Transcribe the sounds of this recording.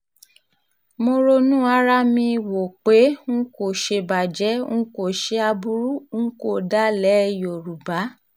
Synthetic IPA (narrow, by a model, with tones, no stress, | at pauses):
mo˧ɾo˧nũ˦a˧˦ɾa˦mĩ˧wo˨k͡pe˨˦ŋ̩˦ko˨ʃe˧ba˨d͡ʒɛ˨˦ŋ̩̃˦ko˨ʃe˧a˧bu˧ɾu˦ŋ̩˦ko˦˨da˨˦lɛ˨˦˨jo˨ɾu˨ba˨˦